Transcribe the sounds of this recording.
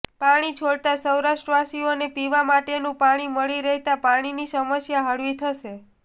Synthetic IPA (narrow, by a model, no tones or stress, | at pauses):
paɽ̃it͡ʃʰoɽt̪asəwɾaʃʈɾəʋasionepiʋamaʈenũpaɽ̃iməɭiɾəɦt̪apaɽ̃inisəməsjaɦəɽʋit̪ʰəʃe